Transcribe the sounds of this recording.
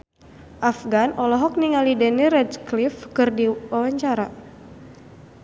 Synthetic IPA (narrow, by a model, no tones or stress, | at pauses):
ʔafɡanʔɔlɔɦɔk̚niŋalidɛniɾɛdklifkɨrdiwawaɲt͡ʃaɾa